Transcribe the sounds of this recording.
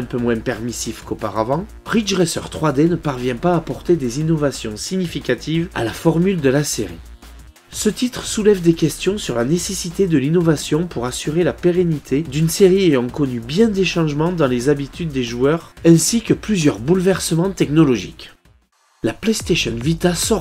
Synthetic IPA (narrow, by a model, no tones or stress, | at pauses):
ɛ̃pømwɛ̃pɛʁmisifkopa̰ʁavɑ̃ | ʁit͡ʃʁɛsœ̰ʁt̪χwad̪enəpaʁvjɛ̃paːpɔʁt̪ed̪ezinɔvasjɔ̰̃siɲifikat̪ʰiva̰lafɔʁmyld̪əlasḛʁḭ | sət̪it̪χəsulɛvd̪ekʲɛst̪jɔ̃syʁlanesesit̪ed̪əlinɔvasjɔ̃puʁasyʁelapeʁenit̪ʰed̪ynseʁiejɑ̃kɔnybjɛ̃d̪eʃɑ̃ʒmɑ̃d̪ɑ̃lezabit̪yd̪ːeʒuœʁɛ̃sikəplyzjœʁbulvɛʁsəmɑ̃t̪ɛknɔlɔʒḭk | laplɛst̪eʃɔnvit̪asɔ